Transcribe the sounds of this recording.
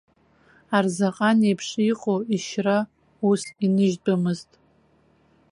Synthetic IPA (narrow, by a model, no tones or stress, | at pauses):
arzaqʼanejpʰʂiqʼoiʃra | usinɨʒdamɨztʼ